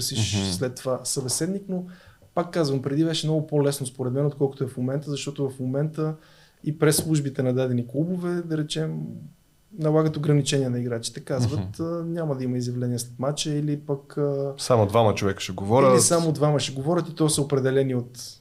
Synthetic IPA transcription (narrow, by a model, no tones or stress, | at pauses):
sislɛt̪ːovasɐbɛsɛd̪nikno | pakːazvəmpɾɛd̪ibɛʃɛmnɔɡʊpolɛsnʊspoɾɛd̪mɛnot̪̚kɔlˠkʊ̥t̪ʊɛfmomɛnt̪əzɐʃt̪ɔt̪ʊvɐfmomɛnt̪ə | ipɾɛslˠuʒbit̪ɛnɐd̪ad̪ɛniklˠubovɛd̪ɐɾɛt͡ʃɛm | nɐlˠaɡət̪oɡɾɐnit͡ʃɛniɛnɐiɡɾat͡ʃi̥t̪ɛkazvət̪ənʲaməd̪ɐiməizjɐvlɛniəslɛt̪mat͡ʃəilipɐkəsamod̪vamət͡ʃovɛkə̥ʃɛɡovɔɾʲəisamod̪vaməʃɛɡovɔɾʲət̪it̪ɔsəopɾɛd̪ɛlɛniot̪